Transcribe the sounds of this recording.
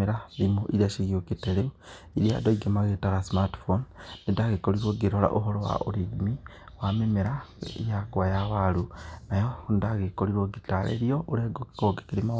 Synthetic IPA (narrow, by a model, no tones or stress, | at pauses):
iɾaβimoʔiɾiaʃiɣiokiteleu | iɾia̰doiɡemaɣetaɣasimatfonːindaɣekoliɾwoɡiɾola̰ʔoɦolowa̰ʔoɾiɡimi | wamimeɾaijakuwajaβalunajoundaɣekoliɾwoɡitalḛɾioʔuɾeɡoki̥koɡekiɾima